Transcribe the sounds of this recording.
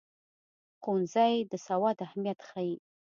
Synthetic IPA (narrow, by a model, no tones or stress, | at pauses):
qunzɑjd̪əsawɑd̪ahmijat̪xaji